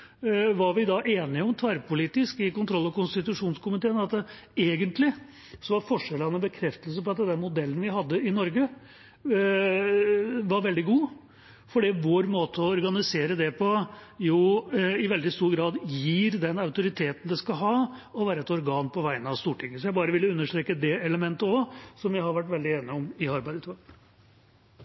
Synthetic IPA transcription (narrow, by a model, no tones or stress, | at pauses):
ʋɑɾʋɪd̪ɑʔeːnɪɔmt̪ʰʋæɾpʊliːt̪ɪskɪkʊnt̪ɾɔlːɑʋkʊnst̪ɪt̪ʉʂuːnskʊmɪt̪ʰeːnɑt̪ə | eːɡənt̪lɪ | sɔʋɑɾfɔʂɛlɑnəbəkʰɾɛft̪əlsəpɔɑt̪̚d̪ɛd̪ɛnmʊd̪ɛlːənʋɪɦɑd̪ːəɪnɔɾɡə | ʋɑɾʋɛld̪ɪɡuː | fɔɖiʋoːɾmoːt̪ʰəɔɔɾɡɑnɪseːɾəd̪ɛpʰɔjuːɪʋɛld̪ɪst̪uːɾɡɾɑːd̪jiːɾd̪ɛnɑʉt̪ʊɾɪt̪ʰeːt̪n̩d̪ɛskɑɦɑːɔʋæːɾəɛt̪ɔɾɡɑːnpʰɔʋæɪnəɑʋst̪uːʈʰɪŋːəsɔjæɪbɑːɾəʋɪlːəʉnːəʂʈ̪tɾeːkəd̪ɛɛləmɛnt̪əɔsɔmʋɪhɑɾʋæʈːʋɛld̪ɪeːnɪɔmɪɑɾbæɪd̪t̪ʋɑɡ